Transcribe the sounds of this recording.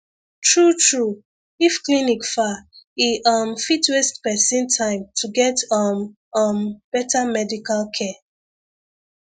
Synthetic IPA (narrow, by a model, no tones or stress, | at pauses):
tɹutʰɹu | ifklinikfaiʔɔmfitwestpɛsĩntʰãɪ̃mtʰuɡɛtɔm | ɔmb̥ɛtamɛdikalkʰɛ